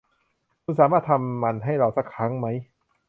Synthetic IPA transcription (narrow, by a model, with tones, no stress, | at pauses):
kʰu˧nsaː˩˦maː˥˩t̪ʰa˧mːa˧nɦa˥˩jɾa˧wsa˧˥˩kʰːa˦˥ŋma˦˥j